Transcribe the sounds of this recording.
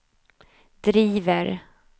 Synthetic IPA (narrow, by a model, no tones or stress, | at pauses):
d̪̥ɾiːvəɾ